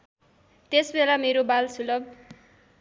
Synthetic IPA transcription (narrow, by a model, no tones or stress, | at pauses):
t̪esbelameɾobalsulʌb̚